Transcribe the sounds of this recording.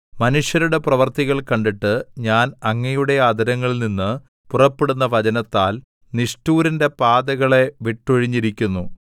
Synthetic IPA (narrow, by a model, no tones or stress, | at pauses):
mɐnuʂjɐɾuɽe̞prɐʋɐrt̪iɣɐɭkɐɳɖiʈːɨɲaːnɐŋːɐjuɽe̞aɐd̪ʱɐɾɐŋːɐɭilninːɨ | purɐpːe̞ɽunːɐʋɐd͡ʑɐnɐt̪ːaːl | niʂtuːɾinde̞paːd̪ɐɣɐɭe̞ʋiʈːoɻiɲːiɾikʲːunːu